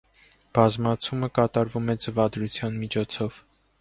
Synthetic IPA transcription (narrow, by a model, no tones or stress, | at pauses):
b̥ɑzmɑt͡sʰuməkɑt̪ɑɾvumɛd͡zəvɑd̪ɾut͡sʰjɑnmit͡ʃʰɔt͡sʰɔv̥